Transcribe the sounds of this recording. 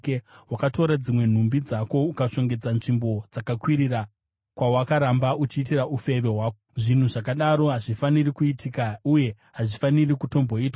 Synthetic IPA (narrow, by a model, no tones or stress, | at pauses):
kewakato̞ɾad͡zimwe̞n̤umbid͡zako̞ukaʂo̞ŋɡe̞d͡zanʐimbo̞d͡zakakwiɾira | kwawakaɾambaut͡ʃiːtiraʔufe̞ʋe̞ɦwaːkoʐin̤uʐakaɗaɾo̞ɦaʐifanirikuitʰikauje̞ | ɦaʐifanirikuto̞mbo̞iːtwa